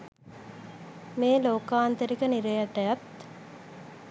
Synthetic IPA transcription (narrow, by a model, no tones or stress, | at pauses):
meːloːkaːnt̪eɾikəniɾejɐʈɐjat̪